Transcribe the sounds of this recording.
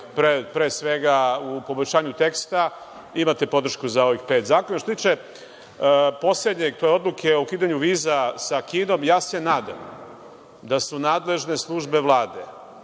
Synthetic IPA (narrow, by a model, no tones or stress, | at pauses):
pɾepɾesʋe̞ɡaupo̞boʎʲʃaːɲut̪e̞kst̪a | imat̪e̞po̞d̪ɾr̩ʃkuzao̞ʋixpet̪zaːkonaʃtot̪iːt͡ʃe | po̞sled̪ɲet̪ojeo̞d̪lˠukʰe̞oukiːd̪aɲuʋiːzasakiːno̞mjaːse̞naːd̪a̰m | d̪asunaːd̪le̞ʒne̞slˠuʒbe̞ʋlˠaːd̪e̞